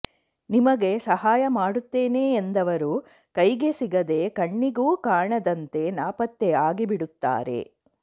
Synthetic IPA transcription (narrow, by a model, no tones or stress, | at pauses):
nimɐɡe̞sɐɦaːjɐmaːɽut̪ːeːneːnd̪ɐʋɐɾu | kɐjɡe̞siɡɐd̪e̞kɐɳːiɡuːkaːɳɐd̪ɐnt̪e̞naːpɐt̪ːeaːɡibiɽut̪ːa̰ːɾe̞̰